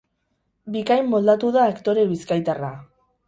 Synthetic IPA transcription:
bikajmːo̞ld̪at̪uðaːkt̪o̞ɾe̞βiskajt̪ara

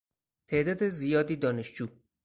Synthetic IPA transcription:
t̪ʰeʔd̪ɒːd̪ezijɒːd̪iːd̪ɒːneʃd͡ʒuː

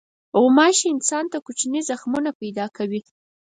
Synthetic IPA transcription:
ɣʊmɑʃeɪnsɑnt̪akut͡ʃnizaxmunapajd̪ɑkʰawi

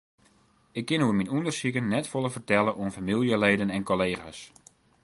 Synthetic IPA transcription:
ɪkːɪnhuəminundərsikənːɛtfoləvərtɛləʔuənfamilˠjəleːdənɛnkoleːxa̰s

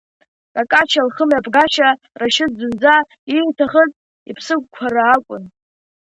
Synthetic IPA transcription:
rakʼat͡ʃʰalχəmjapʰʼɡaʃa | raʃɪd̚d͡zɨnd͡za | itʰaχət͡sʼ | ḭpʰsɨɡ̚ʷkʷʰaɾaːkʷʼʊn

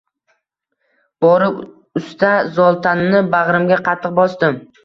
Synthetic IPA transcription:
b̥ɒɾɪ | ʊst̪azɒlˠt̪ʰanːɪbaʁɾɪmɡʲaqʰɑt̪ʰːɨq̚bɒsd̪ɪm

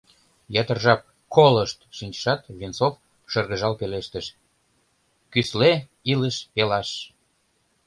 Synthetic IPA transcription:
jɑt̪ərʒɑp̚ | koləʃt̪ʃinʲt͡ɕə̥ʃɑt̪vint͡sof | ʃɤrɣəʒɑlpeleʃt̪əʃ | kysle | iləʃpelɑʃ

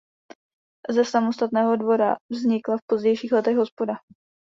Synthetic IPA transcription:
zɛsamo̞st̪at̪nɛːɦo̞dvo̞ɾa̰vzɲɪklafpo̞zɟɛjʃiːxlɛt̪ɛɣɦo̞spo̞da

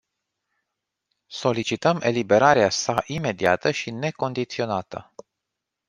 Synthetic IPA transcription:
so̞lit͡ʃit̪əme̞̰libe̞ɾaɾeasaʔime̞d̪ia̰t̪əʃine̞ko̞nd̪it̪sio̞nat̪ə̰

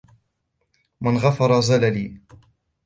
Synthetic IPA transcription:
manɣɑfɑɾˤɑzalaliː

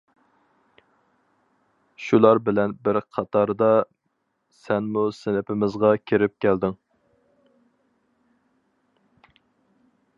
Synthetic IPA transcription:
ʃulˠɑɾbɪlɛnbɪɾqʰɑt̪ʰɑɾd̪ɑ | sɛnmusɪnɪpʰɪmɪzʁɑkʲʰeɾɪp̚kʲʰæld̪ɪŋ

